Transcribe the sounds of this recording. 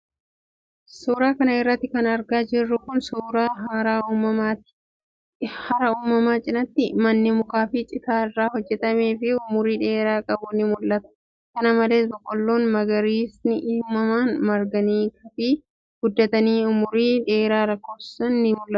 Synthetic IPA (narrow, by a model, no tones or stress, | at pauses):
suːɾaːkɐnɐɪrːɐt̪ːɪkɐnɐɾɡaːd͡ʒɪrːʊkʊnsuːɾaːɦaɾaːuːmɐḁ | hɐɾɐuːmɐmaːt͡ʃʼɪnɐt̪ːɪmɐnːɪmʊkaːfɪt͡ʃʼɪt̪aːɪrːaːhɔd͡ʒːɛt̪ɐme̞ːfɪʊmʊɾiːᶑe̞ːɾaːkʼɐbʊnːɪmʊlːɐt̪ɐ̥ | kɐnɐmɐle̞ːsbɔkʼːɔlːo̞ːnmɐɡɐɾiːsnɪʔɪːmɐmaːnmɐɾɡɐniːkɐfiː | ɡ̥ʊd̪ːɐt̪ɐniːʊmʊɾiːᶑe̞ːɾaːɾɐkːoːbssɐnːɪmʊlːɐt̪